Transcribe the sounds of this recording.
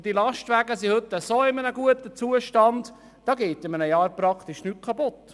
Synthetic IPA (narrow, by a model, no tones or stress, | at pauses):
d̥ilɑʃtʋæːɡəsihɵt̪ːəsoːɪmənəɡuətət͡suəʃtɑnd | d̥ɑːɡeːtɪmənəjɑːɾpɾɑkt̪ɪʃnyt̚kʰɑpʊt